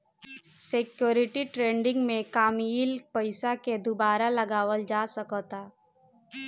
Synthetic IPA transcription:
sekjoːɾɪʈiʈɾẽːɳɖɪ̃ŋɡmẽkaːmiːlpəɪsaked̪ʊbaːɾalɐɡaːwəld͡ʒaːsəkɔt̪aː

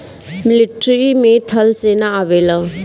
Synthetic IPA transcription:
mɪliʈɾimẽt̪ʰəlsenaaʋela

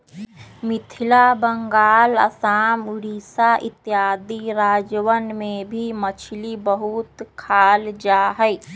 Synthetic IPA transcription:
mɪt̪ʰɪlabəŋɡaːlə̰saːmʊɽiːsaʔɪt̪jaːd̪iɾaːd͡ʒwənmẽbʱimət͡ʃʰlibəɦut̪kʰaːld͡ʒaːɦɛɪ

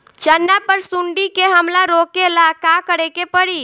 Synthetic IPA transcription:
t͡ʃənːapəɾsʊɳɖikeɦəmlaɾoːkelakakəɾekepəɽi

